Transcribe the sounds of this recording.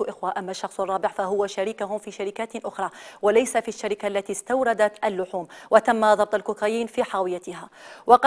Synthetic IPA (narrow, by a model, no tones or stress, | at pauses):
ʔɪxwaʔamːaʃːɑxsˤʔɑrˤːɑːbɪʕfaɦʊwaʃaɾiːkahʊmfiːʃaɾɪkaːt̪ʔʊxɾˤɑːwalajsafiʃːaɾɪkaʔlːat̪iːst̪awɾˤɑd̪at̪ʔalːʊħuːmwʔat̪amːaðˤɑb̚t̪ˤalkʊkaːjiːnfiːħaːwɪjat̪ɪɦaːwɑqɑ